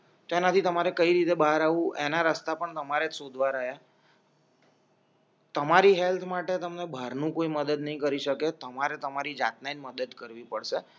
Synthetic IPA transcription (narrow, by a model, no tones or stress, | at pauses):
t̪oenat̪ʰit̪əmaɾekəiɾit̪ebəɦaɾaʋũʔenaɾəst̪apəɳt̪əmaɾesod̪ʱʋaɾəɦja | t̪əmaɾiɦelt̪ʰmaʈet̪əmnebʱəɾnũkoiməd̪əd̪nəɦĩkəɾiʃəket̪əmaɾet̪əmaɾid͡ʒa̰t̪̚nanməd̪əd̪kəɾʋipəɽʃe